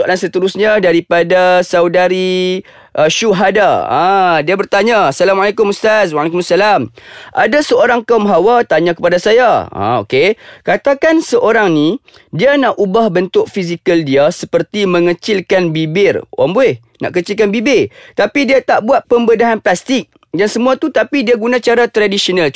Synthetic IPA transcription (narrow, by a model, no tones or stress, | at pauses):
sualansət̪əɾusɲãdaɾipadasaudaɾi | ʔəʃuɦadaã̰diabərt̪aɲasalamalakʊmust̪azwalek̬ʊmsalamʔa̰dasəoɾaŋkaumɦawat̪aɲãkəpadasajaã̰o̰kekat̪akansəʔoɾaŋni | dianaʔubahbənt̪ʊʔ̚fizikəldiasəpərt̪imə̃ŋət͡ʃɪlkanbibɪrwʔa̰mboɪh | na̰ʔkət͡ʃilkanbibɪt̪apidiat̪aʔbuat̪̚pəmbədaɦanplast̪ɪk̚ | dansəmũat̪ut̪apidiaɡunãt͡ʃaɾat̪ɾadisional